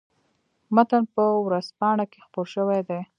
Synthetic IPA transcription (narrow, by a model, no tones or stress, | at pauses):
mat̪anpəwɾazpɑɳ̃akexpoɾʃəwejd̪e